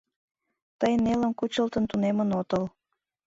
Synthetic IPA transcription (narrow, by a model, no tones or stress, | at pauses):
t̪əjnelə̆mkut͡ɕəlt̪ənt̪unemənot̪əl